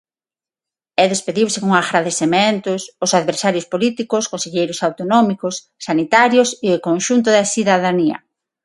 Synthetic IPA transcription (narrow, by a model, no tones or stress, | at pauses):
ɛðespeðiwsɪkoŋaɣɾaðesement̪ʊsʊsaðβeɾsaɾjʊspolit̪ikʊskõnseʎejɾʊsawt̪onɔmikʊsːanit̪aɾjʊsɪokõnʃunt̪ʊðɐsiðaðaniɐ̰